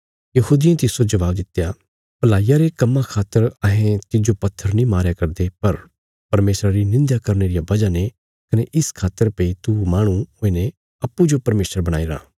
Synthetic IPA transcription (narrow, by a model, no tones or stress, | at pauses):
jɐɦuːd̪ɪjẽt̪ɪsod͡ʒɐʋaːbd̪ɪt̪ːja | pɐlaːijaɾekɐmːãkʰaːt̪əɾɐɦẽt̪ɪd͡ʒopɐt̪ʰːəɾnĩmaːɾjakɐɾd̪epɐɾ | pɐɾmeːsɾaɾinɪ̃nd̪jakɐɾñeɾijabɐd͡ʒane | kɐneʔɪskʰaːt̪ːəɾpeit̪umaːɽ̃uoĩnẽ | ɐpːud͡ʒopɐɾmeːsəɾbɐɽ̃aːiɾa̰ː